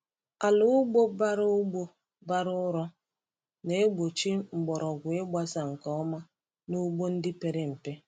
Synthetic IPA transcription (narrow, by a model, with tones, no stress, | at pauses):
a˨lʊ˦ʊ˦ɡ͡bo˦ba˦ɾʊ˦ɡ͡bo˦ | ba˦ɾʊ˦ɾɔ˦ | ne˨˦e˦ɡ͡bo˨t͡ʃi˦ŋ͡m̩˨ɡ͡bɔ˨ɾɔ˨ɡʷʊ˨e˦ɡ͡ba˦sa˨ŋ̩˨kɔ˨˦ɔ˦ma˦ | nu˦ɡ͡bo˦n̩˦dɪ˦pe˨ɾe˦m̩˨pe˦